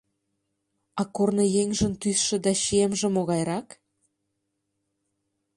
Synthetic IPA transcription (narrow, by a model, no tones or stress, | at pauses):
ɑkornɤ̆jeŋʒə̆nt̪ysʃĕd̪ɑʃiemʒĕmoɣɑjɾɑk